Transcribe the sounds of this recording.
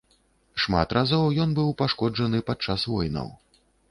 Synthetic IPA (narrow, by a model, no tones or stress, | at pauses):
ʂma̰t̪razɔwjɔnbɨwpaʂkɔd͡ʐɐnɨpat͡ʂːasvɔjnɐ̰w